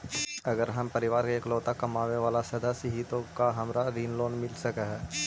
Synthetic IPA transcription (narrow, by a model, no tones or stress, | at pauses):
ɐɡəɾɦɐmpɐɾɪʋaːɾkeeːklɔːt̪akɐmaːʋeʋaːlasɐd̪asəɦit̪õkaɦɐmɾaɾiːnloːnmɪlsɐkəɦɛː